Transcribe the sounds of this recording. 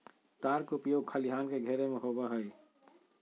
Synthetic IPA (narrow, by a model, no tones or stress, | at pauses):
t̪aːɾkʊpjoːɡ̚kʰəlɪɦaːnkeɡʱeɾemẽɦoːbaɦəi